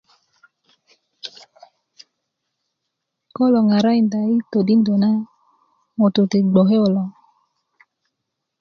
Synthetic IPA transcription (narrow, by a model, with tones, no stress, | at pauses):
ko˦lo˨ŋa˨ɾa˦i˨nda˨i˦to˨di˦ndo˨na˦ | mo˨to˨te˨ɡ͡bo˨ɦe˦o˨lɔ˨